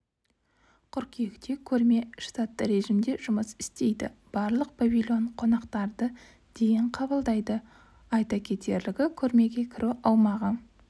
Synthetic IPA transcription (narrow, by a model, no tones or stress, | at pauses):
qʰʊɾkʲʰekt̪e̞kʲʰɵɾme̞ʃt̪at̪ːəɾe̞ʒimd̪e̞ʒʊməsɪ̥st̪e̞jd̪ɪ̰b̥ɑɾlˠəq̚b̥avʲilʲo̞ɴqʰo̞nɑqt̪ɑɾd̪ə | d̪̥e̞jɪɴqʰɑbəlˠd̪ɑjd̪ə | ɑjt̪ɑkʲʰe̞t̪e̞ɾlɪɡʲɪkʲʰɵɾme̞ɡʲe̞kʲʰɪɾʔuʔɑwmɑʁə